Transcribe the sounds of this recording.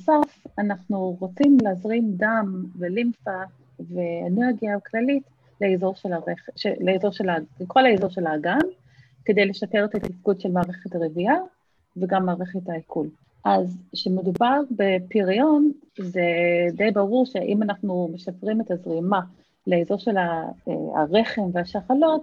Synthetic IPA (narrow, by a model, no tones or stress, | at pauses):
safanaχnuʁot͡simleːzʁimdamvelimfa | veeneʁɡjaklalit | leezo̞ʁʃelaʁeχʃeleezo̞ʁʃelalekʰo̞laezo̞ʁʃelaːɡan | kedejleʃapeʁet̪at̪ifɡudʃelmaːʁe̞χetaʁevia | veɡamːaːʁeχetaikʰul | ʔazʃemedubaʁbepiʁion | zedejbaʁuʁʃe̞ʔimanaχnumeʃapʁime̞tazʁima | leezo̞ʁʃe̞la̰a̰ʁeχe̞mveaʃaχalo̞t